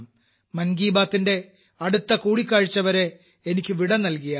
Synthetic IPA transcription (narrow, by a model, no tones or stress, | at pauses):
m | mɐnɡiːbaːt̪ːinde̞ | ɐɽut̪ːɐkuːɽikʲːaːɻit͡ɕːɐʋɐɾe̞ː | nikʲːɨʋiɽɐnɐlkijɐ